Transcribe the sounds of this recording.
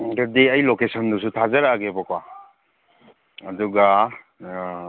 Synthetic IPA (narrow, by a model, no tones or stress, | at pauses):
ɡɐdiɐjlokesɔndusutʰazɐɾaɡebɔkwa | ɐduɡa